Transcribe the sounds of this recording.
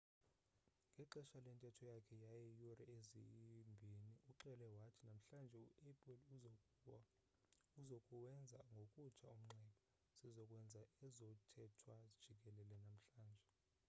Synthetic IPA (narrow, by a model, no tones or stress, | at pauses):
ŋɡʱɛǃɛʃalɛntʼɛtʰɔjakʰɛjajɛjurɛezḭmbʱiniʔuǃɛlɛwatʰinam̩ɬand͡ʒʱɛuɛpʼl | uzokʼuwɛnd͡zʱaŋɡʱokʼut͡ʃʰaum̩ŋ͡ǁɛɓʰʼɔ | sizɔkʼwɛnd͡zʱaɛzɔtʰɛtʰwad̥ʒ̥ʱik̬ʼɛlɛlɛnam̩ɬaːnd͡ʒʱɛ